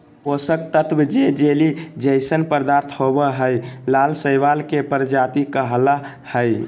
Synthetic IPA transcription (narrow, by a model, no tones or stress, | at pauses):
posəkt̪ət̪ʰbd͡ʒed͡ʒelid͡ʒəɪsənpəɾd̪aɾt̪ʰɦobəɦəjlalsəjʋalkepəɾd͡ʒat̪ikəɦla | həj